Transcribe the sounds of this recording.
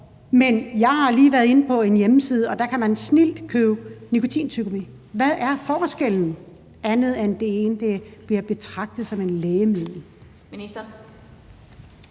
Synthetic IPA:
menjɑ̈ɪhɑ̈liːʋæɐðˠe̝nəpʰɒ̽e̝njemsiːð̞ˠɒ̽d̥ɑ̈kʰæmænsnil̰d̥kʰøʊnikʰo̝t͡sʰḭːnt͡sʰyɡ̥omi | ʋæðˠʔæɐfɒːsɡ̥eln̩ | æɐnð̞̩ˠænd̥e̝eːnd̥eb̥liɐb̥e̝t͡sʰʁɑ̈ɡ̥̚d̥ð̩ˠsɒ̽me̝nleːəmið̰ˠl̩ | i̥

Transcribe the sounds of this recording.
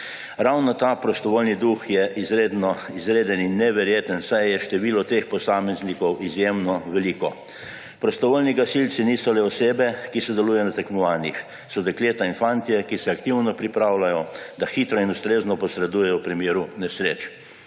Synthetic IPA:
ɾawnɔt̪aːpɾɔst̪ɔʋoːlnid̪uxjɛʔizɾed̪nɔizɾeːd̪əninːɛʋɛɾjeːt̪ənsajjɛʃt̪ɛʋiːlɔt̪expɔsaːmɛznikɔwʔizjemnɔʋɛliːkɔ | pɾɔst̪ɔʋoːlniɡasilt̪siniːsɔlɛɔseːbɛkisɛd̪ɛluːjɛnat̪ɛknɔʋaːnix | sɔd̪ɛkleːt̪ainfant̪iɛkisɛakt̪iwnɔpɾipɾaːwlajɔd̪axiːt̪ɾɔinust̪ɾeːznɔpɔsɾɛd̪uːjɛjɔwpɾimeːɾunɛsɾeːt͡ʃ

